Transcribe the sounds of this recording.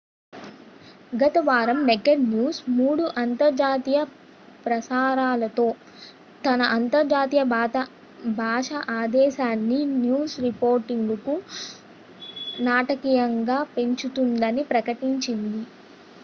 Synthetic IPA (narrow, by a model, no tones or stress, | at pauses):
ɡɐt̪ɐʋaːɾɐmneɡeɾnjuːsmuːɽuʔɐnt̪ɐɾd͡ʒaːt̪ijɐ | pɾɐsaːɾaːlɐt̪o̞ː | t̪ɐnɐʔɐnt̪ɐɾd͡ʒaːt̪ijɐ | bʱaːʂɐʔaːd̪ɛːʃaːnːinjuːsɾipoːɾʈiŋɡɡɐku | naːʈɐkiːjɐŋɡaːpe̞ɲt͡ʃut̪und̪ɐnipɾɐkɐʈiɲt͡ʃind̪i